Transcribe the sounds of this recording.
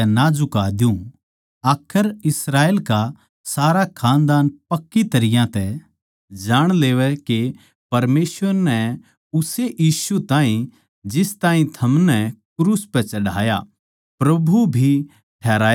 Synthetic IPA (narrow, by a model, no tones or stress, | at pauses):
ɛnad͡ʒʊkaːd̪jũ | aːkʰəɾɪsɾaːeːlka | saːɾakʰãːnd̪aːnpɐkːit̪ɐɾɪjãt̪ɛ | d͡ʒaːɽ̃leːʋɛke | pɐɾmeːsʋəɾnɛ | ʊseʔjiːsut̪ãːɦĩ | d͡ʒɪst̪aːɦĩt̪ʰɐmnɛkɾuːspɛt͡ʃɐɽa̰ːja̰ | pɾɐbʱubʱi | ʈʰɛːɾaː